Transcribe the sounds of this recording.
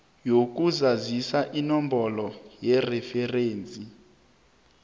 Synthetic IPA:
jokuzazisaʔinɔmbɔlɔjɛrɛfɛreːnd͡zʱi

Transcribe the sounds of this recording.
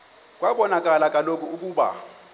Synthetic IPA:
k̬ʼwaɓɔnakʼalakʼalokʼuuk̬ʼuːɓa̰

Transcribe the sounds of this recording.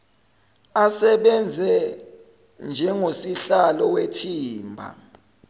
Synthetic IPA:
asɛɓɛnd͡zʱɛ | nd͡ʒʱɛŋosiɬalɔwetʰiːmbʱa̰

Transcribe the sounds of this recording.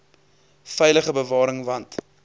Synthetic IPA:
fɛjləχəbəvɑːɾəŋvɐnt

